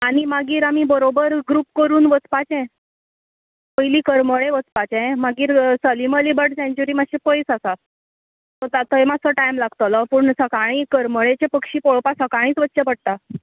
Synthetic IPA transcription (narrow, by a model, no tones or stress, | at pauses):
aɽ̃imaɡiːɾamibəɾobəɾɡɾuːpkəɾuːnʋət͡spat͡ɕɛ̃ | pəjliːkəɾməɭeʋət͡spat͡ɕɛ̃maɡiːɾsəliməlibəʈsɛ̃ɲt͡ɕuɾiːmaɕepəjsasa | tt̪at̪əɦemat͡səʈajmlaɡt̪ələpuɳsəkaɽ̃iːkəɾməɭet͡ɕepəkʂiːpoɭpasəkaɽ̃iːt͡sʋətːɕəpəɽ̚t̪a